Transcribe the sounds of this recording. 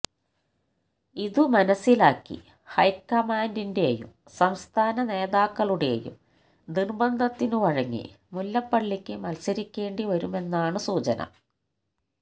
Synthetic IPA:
iðɨmɐnɐsːilaːkːḭ | hɐjkːɐmaːndinde̞ːjṵm | sɐmst̪ʰaːnɐne̞ːðaːkːɐɭuɽe̞̰ːjṵm | d̪irbɐnd̪ʱɐt̪ːinɨʋɐɻɐŋːḭ | mulːɐpːɐɭːikʲːɨmɐlsɐɾikʲːe̞ːɳɖiʋɐɾume̞nːaːɳɨsuːt͡ɕɐnɐ̰

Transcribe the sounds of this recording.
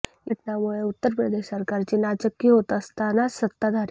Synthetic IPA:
jəʈɳjamuɭeut̪ːəɾpɾəd̪eɕsəɾkaɾt͡ɕiːnad͡ʑəkːiɦot̪əst̪anasət̪ːad̪ʱaɾ

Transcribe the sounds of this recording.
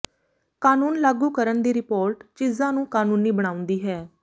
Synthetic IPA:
kaːnuːnlaːɡuːkəɾənd̪iːɾɪpoːɾʈt͡ʃiːzãːnũːkaːnuːniːbəɽ̃ãːʊ̃nd̪iːɦɛː

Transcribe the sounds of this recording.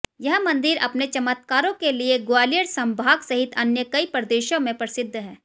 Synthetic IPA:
jɐɦmɐ̃nd̪ɪɾɐ̰pnet͡ʃɐmət̪̚kaːɾõkelieɡoaːlijəɽsɐ̃mbʱaːɡsɐɦɪt̪ʰɐnjəkɐipɾɐd̪eːʃõmẽpɾɐsɪd̪ʱːɦɛː

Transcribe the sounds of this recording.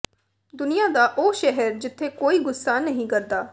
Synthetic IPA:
d̪ʊnɪjaːd̪aːʔoːʃɛɦɛɾd͡ʒɪt̪ʰːeːkoːiːɡʊsːaːnəɦĩːkəɾd̪aː

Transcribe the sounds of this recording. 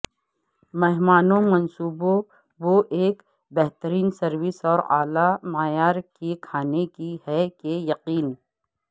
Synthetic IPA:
mɛɦmaːnõmɐnsuːbo | ʋoʔeːk | bɛɦt̪əɾiːnsɐɾwɪsɔːɾa̰ːlamaːjaːɾkikʰaːnekiɦɛkejɐqiːn

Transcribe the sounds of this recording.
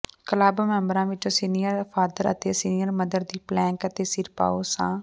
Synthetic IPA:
kəlaːbmɛ̃ːmbɾãːʋɪt͡ʃõːsiːnijəɾpʰaːd̪əɾət̪eːsiːnijəɾməd̪əɾd̪iːplɛ̃ːŋkət̪eːsɪɾpa̰ːoːsã̰ː

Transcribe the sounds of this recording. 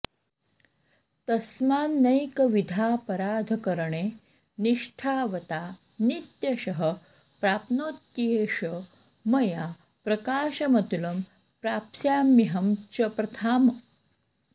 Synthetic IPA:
t̪ɐsmaːnːɐjkɐʋid̪ʱaːpɐɾaːd̪ʱkɐɾɳeː | niʂʈʰaːʋɐt̪aː | nit̪jɐɕɐɦə | pɾaːpnoːt̪̚kieɕə | mɐja | pɾɐkaːɕɐmɐt̪ulɐm | pɾaːpsjaːmiɦɐmt͡ʃɐpɾɐt̪ʰaːm

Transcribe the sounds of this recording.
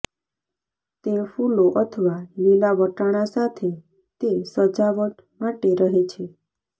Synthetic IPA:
t̪efuloʔət̪ʰəʋalilaʋəʈaɽ̃asat̪ʰe | t̪esəd͡ʒaʋəʈ | maʈeɾəɦet͡ʃʰe

